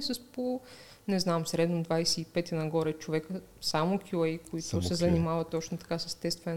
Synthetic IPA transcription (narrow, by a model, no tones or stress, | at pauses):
səspo | nɛznamsɾɛd̪nod̪vajsɛipɛt̪inɐɡɔɾɛt͡ʃovɛkə | samokʰʲulɛjkoit̪ʊsɛzɐnimavɐt̪ːɔt͡ʃnot̪ɐ̥kasəst̪ɛst̪vɛn